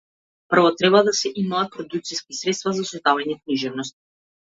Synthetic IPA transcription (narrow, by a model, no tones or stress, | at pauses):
pr̩vɔt̪ɾɛβad̪asɛʔimaːt̪̚pɾɔd̪ukt̪siskisɾɛt̪st̪vazasɛt̪avaɲɛkniʒɛvnɔst̪̚